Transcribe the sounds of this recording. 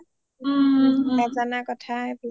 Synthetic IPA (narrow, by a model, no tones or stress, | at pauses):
ɡad͡zanakɔtʰabl